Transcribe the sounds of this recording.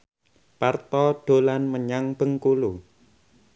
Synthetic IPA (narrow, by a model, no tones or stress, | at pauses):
part̪ɔɖ̥o̤lanməɲaŋb̥ə̤ŋkulu